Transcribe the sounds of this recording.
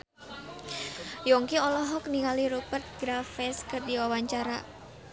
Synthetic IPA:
jɔŋkiɔlɔɦɔkniŋaliɾupərt̪̚ɡɾafɛskɨrdiwawaɲt͡ʃaɾa̰

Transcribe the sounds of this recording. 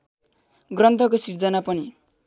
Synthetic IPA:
ɡrʌnt̪ʰʌkosird͡zʌnapʌni

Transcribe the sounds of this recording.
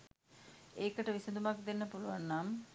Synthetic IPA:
eːkəʈəʋisɐd̪umak̚d̪enːəpuluʋanːam

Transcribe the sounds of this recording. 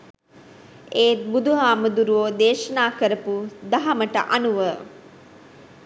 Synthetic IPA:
eːt̪̚bud̪uɦaːməd̪uɾuʋoːd̪eːʃɐnaːkəɾəpud̪ɐɦɐməʈə̰ʔanuʋə

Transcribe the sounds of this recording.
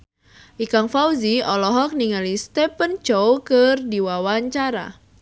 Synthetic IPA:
ʔikaŋfawziɔlɔɦɔk̚niŋalist̪ɛpənt͡ʃɔwkɨrdiwawaɲt͡ʃaɾa̰

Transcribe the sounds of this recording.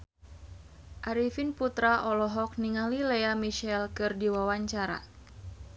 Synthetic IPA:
ʔaɾifinput̪ɾaʔɔlɔɦɔk̚niŋalileamiʃɛlkɨrdiwawaɲt͡ʃaɾa̰

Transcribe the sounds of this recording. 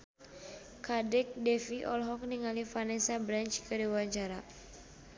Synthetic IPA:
kadɛk̚dɛfiʔɔlɦɔk̚niŋalifanɛsabɾant͡ʃkədiwaɲt͡ʃaɾa

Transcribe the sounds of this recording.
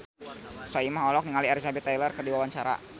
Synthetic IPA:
saimaɦɔlɔk̚niŋaliaɾisabɛt̪ːajlərkərdiwawaɲt͡ʃaɾa̰

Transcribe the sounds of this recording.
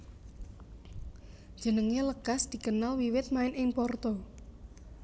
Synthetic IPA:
d̥ʒ̥ə̤nəŋeləɡ̥asd̪̥i̤kənalwiwɪt̪̚maɪnʔɪŋpɔrt̪ɔ

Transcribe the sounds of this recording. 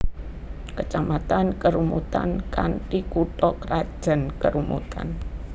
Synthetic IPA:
kət͡ʃamat̪ankəɾumṵt̪a̰nkantikuʈɔkrad̥ʒ̥ə̤nkəɾumṵt̪a̰n

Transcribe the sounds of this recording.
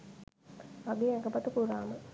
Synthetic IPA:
ʋaɡeːɛkəpɐt̪əpuɾaːmə

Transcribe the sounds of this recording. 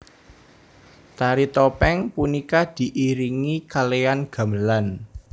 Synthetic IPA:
t̪aɾit̪ɔpɛŋpunikad̪̥i̤ʔiɾiŋikalejanɡ̥a̤məlan

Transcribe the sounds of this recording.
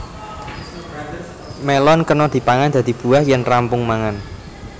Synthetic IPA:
melɔnkənɔd̪̥i̤paŋand̪̥ä̤d̪̥ib̥ṳahjɛnrampʊŋmaŋan

